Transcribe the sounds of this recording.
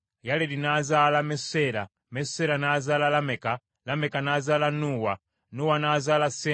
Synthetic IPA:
jalɛdinazalamɛsɛɾa | mɛsɛɾanazalalamɛka | lamɛkanazalanuwa | nuwanazalasɛ

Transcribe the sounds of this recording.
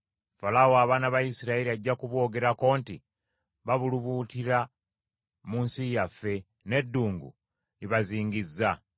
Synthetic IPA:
falawoaβaːnaβajisiɾaeɾiaɟːakuβo̞ɡe̞ɾako̞ːnti | βaβuluβuːtiɾa | muːnsijafːe̞ | ne̞dːuːŋɡṵ | liβaziːŋɡizːa

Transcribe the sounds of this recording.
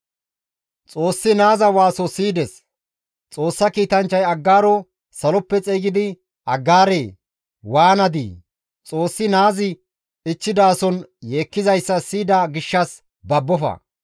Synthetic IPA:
t͡sʼo̞ːsːɪnaːzɐwaːsɔsiːd̪ɛs | t͡sʼo̞ːsːɐkiːt̪ɐnt͡ʃːɐjɐɡːaːɾɔ | sɐlɔpːɛt͡sʼeːɡɪd̪ɪ | ɐɡːaːɾeː | waːnɐd̪ḭ | t͡sʼo̞ːsːɪnaːzɪ | ɪt͡ʃːɪd̪aːsɔnje̞ːkːɪzɐjsːɐsiːd̪aɡɪʃːɐs | bɐbːɔfɐ̰

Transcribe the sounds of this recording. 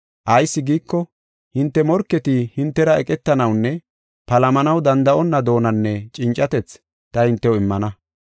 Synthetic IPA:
ʔɐjsːɪɡiːkːɔ | hɪnt̪ːɛmɔɾkːɛt̪ɪhɪnt̪ːɛɾɐɛkʼɛt̪ːɐnɐwnːɛ | pɐlɐmɐnɐwd̪ɐnd̪ɐʔɔnːɐd̪o̞ːnɐnːɛt͡ʃʼɪnt͡ʃʼːɐt̪ɛt͡s | t̪ɐhɪnt̪ːɛwɪmːɐnɐ

